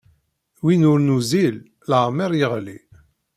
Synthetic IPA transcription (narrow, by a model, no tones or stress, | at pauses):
winʊɾnuzil | ləʁmiɾˤjəʁli